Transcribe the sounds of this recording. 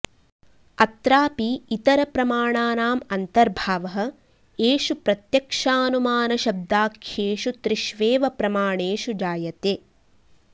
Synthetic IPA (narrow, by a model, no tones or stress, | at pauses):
ɐt̪ɾaːpiːt̪ɐɾɐpɾɐmaːɳaːnaːmɐnt̪ɐɾbʱaːʋɐɦɐ̆ | eːʃupɾɐt̪jɐkʂaːnumaːnɐʃɐb̚d̪aːkʰjeːʃut̪ɾiʃʋeːʋɐpɾɐmaːɳeːʃud͡ʒaːjɐt̪eː